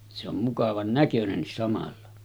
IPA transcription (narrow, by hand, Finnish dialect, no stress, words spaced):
se om mukɑʋɑn nækønenːis sɑmɑlːɑ